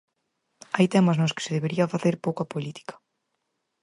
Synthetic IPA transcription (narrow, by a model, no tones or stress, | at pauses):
ajt̪ɛmɐznoskɪ̥sɪðeβeɾiɐfaθeɾpowkɐpolit̪i̥kɐ̥